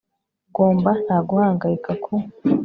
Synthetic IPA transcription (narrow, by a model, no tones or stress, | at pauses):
ɡo̞ːmban̥haːɡuhaːŋɡajikakʰo